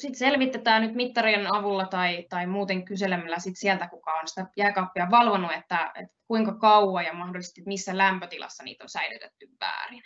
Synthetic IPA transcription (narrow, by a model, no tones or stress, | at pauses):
sit̪selʋit̪ːet̪æːnyt̪mit̪ːɑrienɑʋulːɑt̪ɑit̪ɑimuːt̪eŋkyselemːælːæsit̪siælt̪ækukɑonsi̥t̪æjæːkɑpːiɑʋɑlʋonːuet̪ːæḛt̪kuiŋkɑkɑuɑːjɑmɑhdolːˑise̥st̪it̪misːælæmpøt̪ilɑ̰sːɑnḭːt̪onsæily̰t̪et̪ːyʋʋæ̰ːrin